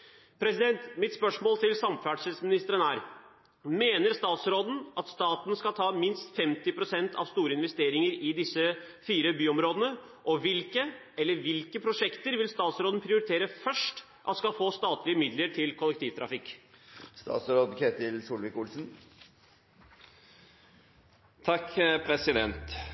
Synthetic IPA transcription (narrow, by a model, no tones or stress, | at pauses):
pʰɾɛsɪd̪ɛnt̪mɪt̪spœʂmoːlt̪ʰɪlsɑmfæɖʂəlsmɪnɪst̪əɾənæːɾ | meːnəɾst̪ɑːt̪sɾoːd̪n̩ʔɑt̪st̪ɑːt̪n̩skɑlt̪ʰɑːmɪnst̪fɛmt̪ɪpʰɾʊsɛnt̪ʰɑ̰ʋst̪uːɾəɪnʋɛst̪eːɾɪŋəɾɪd̪ɪsːə | fiːɾəbyːɔmɾoːd̪ənə | ʔɔʋɪlkə | ɛlːəɾʋɪlkəpʰɾʊʂɛkt̪əɾʋɪlst̪ɑːt̪sɾoːd̪n̩pʰɾɪʊɾɪt̪ʰeːɾəfœʂʈ | ʔɑt̪skɑlfoːst̪ɑːt̪lɪəmɪd̪ləʈʰɪlkʰɔlːɛkt̪ʰiːʋt̪ʰɾɑfɪkːst̪ɑ̰ːt̪sɾoːd̪kʰet̪ɪlsuːlʋɪkʊlsn̩ | t̪ʰɑkːpʰɾɛsɪd̪ɛnt̪